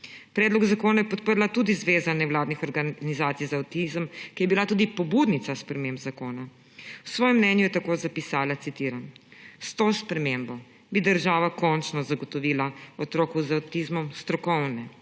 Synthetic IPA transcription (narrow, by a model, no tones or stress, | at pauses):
pɾɛd̪lɔɡzakoːnajɛpɔt̪pəɾlat̪uːd̪izʋeːzanɛʋwlaːd̪nixɔɾɡanizaːt̪sijzawt̪izəmkijɛbilat̪uːd̪ipɔbud̪nit̪saspɾɛmembzakoːna | wsʋɔːjɛmnɛnjujɛt̪akoːzapisaːlat̪sit̪iːɾanst̪ospɾɛmembɔ | bid̪əɾʒaːʋakɔnt͡ʃnɔzaɡɔt̪ɔʋiːlaɔt̪ɾoːkuzawt̪izmɔmst̪ɾɔkɔwnɛ